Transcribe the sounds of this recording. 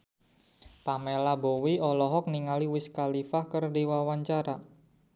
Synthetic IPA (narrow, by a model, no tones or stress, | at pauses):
pamelabowiɔlɔɦɔk̚niŋaliwɪskalifahkərdiwawaɲt͡ʃaɾa